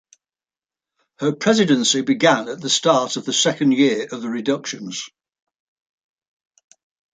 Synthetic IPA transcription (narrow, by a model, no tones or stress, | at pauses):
həpʰɹ̥ɛzɪdə̃nsɪbɪɡãnəʔðəstɑˑtəvðəsɛkə̃ndjɪəɹəvðəɹɪdʌkʃə̃nz̥